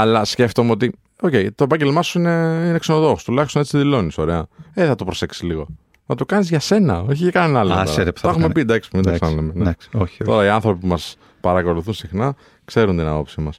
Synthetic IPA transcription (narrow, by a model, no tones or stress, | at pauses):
ɐlɐsce̞ft̪o̞meo̞t̪i | oce̞jit̪oepɐɲɟe̞lmɐsuine̞inekseno̞ðo̞xost̪ulɐçist̪oet͡siiðilo̞niso̞ɾe̞ɐeθɐt̪opɾo̞se̞ksi̥zliɣo | nɐt̪okɐnizʝɐse̞nɐ̰oçicekɐnenɐlaseɾepɐxumepid̪ɐksi̥pumind̪oksɐnlemenesoot̪o̞ɾɐiɐnθɾo̞pipumɐs | pɐɾɐko̞luθunsixnɐ | kseɾunt̪inɐ̰po̞psimɐs